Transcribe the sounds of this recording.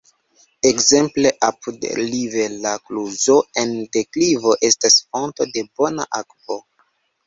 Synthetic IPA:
ekze̞mple̞ʔapudlive̞lakluzo̞e̞nde̞klivo̞ʔe̞stasfo̞nto̞de̞bo̞na̰ʔakpo

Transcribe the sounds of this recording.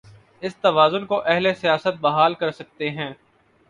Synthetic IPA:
ɪst̪ɐʋaːzʊnkoʔɛɦlesijaːsət̪̚bɐɦaːlkɐɾsɐk̚t̪eɦɛ̃ː

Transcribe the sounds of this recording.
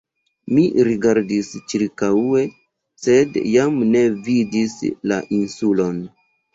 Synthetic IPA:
miɾiɡaɾdist͡ʃiɾkaue̞ | se̞djamne̞vidisla̰ʔinsulo̞n

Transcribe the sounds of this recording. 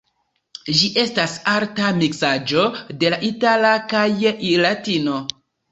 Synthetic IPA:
ʒiʔe̞stasaɾtamiksad͡ʒo̞de̞laʔitalakajlatino̞

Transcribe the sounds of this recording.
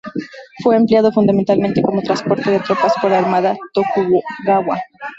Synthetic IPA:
fwe̞ːmpljað̞o̞fund̪ament̪alment̪eko̞mo̞t̪ɾanspo̞ɾt̪e̞ðe̞t̪ɾo̞paspoɾlaaɾmaðat̪okuoɣaβwa

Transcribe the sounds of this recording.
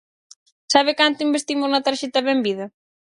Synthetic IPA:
saβɪkant̪ʊimbest̪imʊznɐt̪aɾʃet̪ɐβembiðɐ

